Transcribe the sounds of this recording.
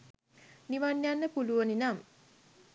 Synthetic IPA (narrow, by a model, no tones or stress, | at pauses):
niʋanːjanːəpuluʋəninam